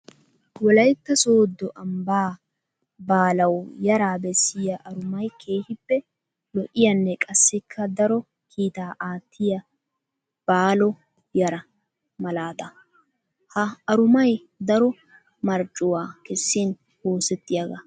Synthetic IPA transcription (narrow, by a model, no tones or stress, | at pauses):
wɔlɐjt̪ːɐsoːd̪ːɔʔɐmbaː | baːlɐwjɐɾaːbɛsːɪjɐʔɐɾʊmɐjkʰe̞ːhɪpːɛ | lɔʔɪjɐnːɛkʼɐsːɪkʰːɐd̪ɐɾɔ | kʰiːt̪aːʔaːt̪ʰːɪjɐ | b̥aːlɔ | jɐɾɐ | mɐlaːt̪ɐ | hɐːɾʊmɐj | d̪ɐɾɔ | mɐɾt͡ʃʼʊwaːkɛsːin | oːsɛt̪ːɪjɐɡɐ̰